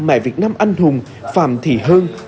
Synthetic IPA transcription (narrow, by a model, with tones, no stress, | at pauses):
mɛ̰˧˩˦vi˨˩ət̚naː˧mʔa˧jŋ̟hʊ˨˩ŋ͡m | fa̰ː˧˩mt̪ʰi˧˩ɦəː˧n